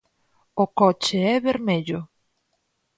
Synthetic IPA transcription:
okɔt͡ʃeɛβeɾmeʎʊ

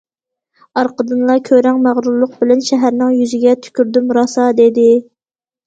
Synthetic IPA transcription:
ɑɾqəd̪ɨnlˠɑkʲʰøɾɛŋmæʁɾulˠːʊq̚bɪlɛnʃɛɦæɾnɪŋjyzɪɡʲɛt̪ʰy̥kʲyɾd̪ymɾɑsɑd̪ed̪ɪ

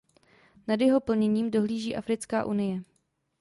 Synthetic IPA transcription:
nadjɛɦo̞pl̩ɲɛɲiːmdo̞ɦliːʒiːʔafɾɪt͡skaːʔunɪjɛ

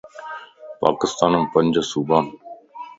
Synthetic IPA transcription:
pa̰ːkɪst̪aːnəmpəɲʲd͡ʒsuːbaːn

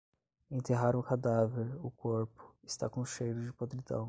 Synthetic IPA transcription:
ẽt̪eɦaɾʊ̃kad̪aveɾʊkoɾpʊ̥ɪst̪a̰kõʃejɾʊd͡ʒɪpod̪ɾid̪ɐ̰̃w̃

